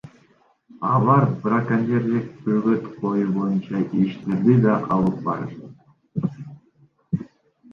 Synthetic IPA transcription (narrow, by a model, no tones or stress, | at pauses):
ɑlˠɑɾbrakanʲeɾlʲik̚bøɡøt̪qʰo̞jubo̞junt͡ʃɑʔiʃt̪e̞ɾd̪id̪ɑqʰɑlˠɯp̚bɑ̰ɾ